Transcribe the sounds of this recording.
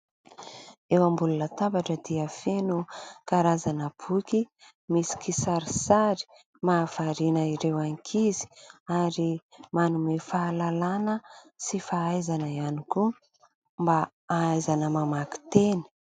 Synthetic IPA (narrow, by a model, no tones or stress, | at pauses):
ewambulunət̪abaʈ͡ʂəd̪iəfenukaɾazanəb̥uki | misi̥kisaɾisaɾi̥ | maːfaɾinəiɾewaŋkʰizi̥aɾimanumefaːlalanə | sifaajzanəianiku | mba | aajzanəmamaki̥t̪eni̥